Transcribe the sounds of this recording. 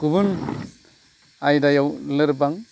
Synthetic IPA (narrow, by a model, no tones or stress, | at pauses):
kubun | ajdajawlɯɾbaŋ